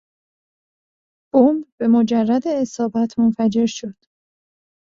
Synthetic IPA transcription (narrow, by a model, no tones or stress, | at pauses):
b̥ombbe̞mod͡ʒærːæd̪eːsɒːbæt̪ʰmonfæd͡ʒe̞ɾʃo̞d̪̥